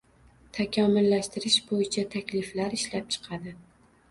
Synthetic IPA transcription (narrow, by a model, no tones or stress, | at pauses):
t̪ʰakʲʰamʊlːaʃt̪ɪɾɪʃbojɪt͡ʃʰat̪ʰakʲlɪflaɾɪʃlap̚t͡ʃʰɨ̥qʰɑd̪ɪ